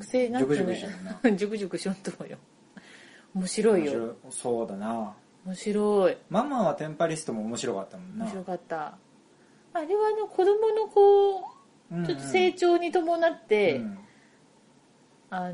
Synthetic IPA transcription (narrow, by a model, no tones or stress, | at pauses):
kɯ̟̥seːnãokokɯ̃d͡ʑokɯ̟ʑokɯ̟ɕõnt̪omojo | omo̞ɕiɾo̞ijosoːd̪ana | omo̞ɕiɾo̞imamːaβat̪ẽ̞mpaɾʲisɨ̥t̪omoːmo̞ɕiɾo̞kat̪ːamoomoɕiɾo̞kat̪ːa | aɾe̞βaːno̞kʰo̞d̪o̞mo̞no̞kõː | t͡ɕo̞t̪ːose̞ːt͡ɕo̞ːɲ̟it̪o̞mo̞nat̪ːe̞ | a